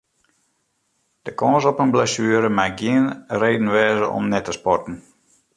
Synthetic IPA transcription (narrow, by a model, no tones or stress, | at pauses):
d̥əkɔ̃ːsɔpənblasyəɾəmaɡiənreːdn̩ʋɛːzəʔɔ̰mnɛtəspɔtn̩